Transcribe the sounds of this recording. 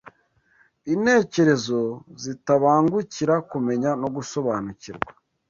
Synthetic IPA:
inhe̞ːce̞ɾe̞zo̞zitaβaːŋɡuciɾakume̞ɲanoɡuso̞βaːnuciɾɡwa

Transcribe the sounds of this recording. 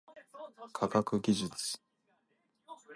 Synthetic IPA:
kʰaɡakɯ̟ɡʲiʑɨt͡sɨ̥

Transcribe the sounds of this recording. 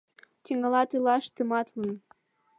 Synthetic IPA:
t̪ʲiŋɑlɑt̪elɑʃt̪əmɑt̪lən

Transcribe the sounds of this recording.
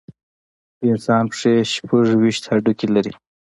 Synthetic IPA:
ɪnsɑːnpʂeʃpʰuʐwiʃt̪haɖukilaɾi

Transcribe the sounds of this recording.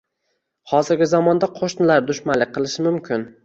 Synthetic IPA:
hɒzɪɾɡʲɪzɒmɒnd̪aqʰoʃnɪlaɾd̪ʊʃmanlɪqʰɨlˠɪʃɪmʊmkʲʰɪn

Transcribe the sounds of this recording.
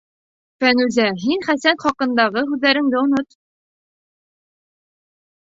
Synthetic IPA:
fænʉzæɦinχæsænχɒqɤ̆nd̪ɑʁɤɦʉðlæɾɘ̆ŋd̪ɘŏnot̪

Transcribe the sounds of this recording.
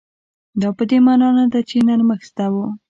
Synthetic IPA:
d̪ɑpəd̪emɑnɑnad̪at͡ʃenaɾməxst̪awu

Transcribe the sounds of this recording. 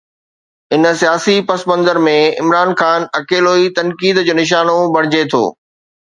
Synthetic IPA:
ɪnəsijaːsipɐsmə̃nd̪əɾmẽɪ̰mɾaːnxaːnɐkeːloːit̪ɐ̃nkiːd̪d͡ʑoːnɪʃ̬aːnobʱɐɽ̤̃ɪd͡ʑet̪ʰo̰ː

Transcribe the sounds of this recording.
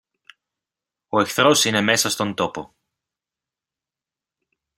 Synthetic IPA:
o̞e̞kθɾo̞sineme̞sɐst̪o̞nd̪o̞po̞

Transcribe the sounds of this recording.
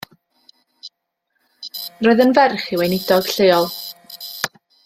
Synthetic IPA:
rɔːɨðənvɛrχiwejnɪdɔɡ̥ɬeɔlˠ

